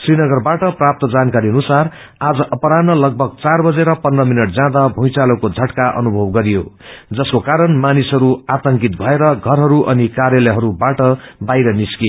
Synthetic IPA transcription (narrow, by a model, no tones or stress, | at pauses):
srinʌɡʌrbaʈʌprap̚t̪ʌd͡zankaɾiʌnusar | ad͡zʌʔʌpʌɾanːʌlʌɡ̚bʱʌɡ̚t͡sarbʌd͡zeɾʌpʌnrʌminʌʈ̚d͡zãd̪abʱũjt͡salokod͡zʱʌʈkaʔʌ̰nubʱʌbɡʌɾijo | d͡zʌskokaɾʌnmanisɦʌɾuat̪ʌŋkit̪̚bʱʌeɾʌɡʱʌrɦʌɾuʔʌnikaɾjʌlʌɦʌɾubaʈʌbajɾʌniske